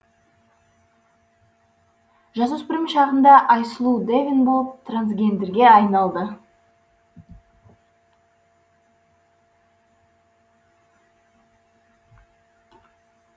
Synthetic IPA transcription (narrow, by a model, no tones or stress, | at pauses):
ʒɑzusbɪɾɪmʃɑʁənd̪ɑʔɑjsəlˠud̪evʲɪnbo̞lˠəp̚t̪ʰransɡʲe̞nd̪eɾɡʲe̞ɑjnɑlˠd̪ə